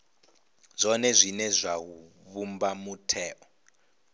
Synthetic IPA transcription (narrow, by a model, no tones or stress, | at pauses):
z̥ʷɔnɛzʷinɛzʷaɦu | βumbamutʰɛːʔɔ